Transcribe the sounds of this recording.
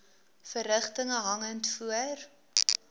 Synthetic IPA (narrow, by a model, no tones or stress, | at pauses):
fəɾəχtəŋəɦɐŋəntfuər